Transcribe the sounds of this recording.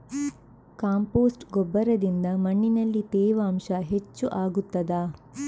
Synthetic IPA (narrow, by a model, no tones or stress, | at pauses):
kaːmpoːsʈɡɔbːɐɾɐd̪ind̪ɐmɐɳːinɐlːit̪ɛːʋaːmʃɐɦet͡ʃːuʔaːɡut̪ːɐd̪aː